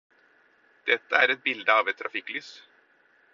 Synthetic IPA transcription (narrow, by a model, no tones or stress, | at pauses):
d̪̥ɛt̪ːəæɾɛt̪̚bɪld̪əɑːʋɛt̪ʰːɾʔɑfɪkːlyːs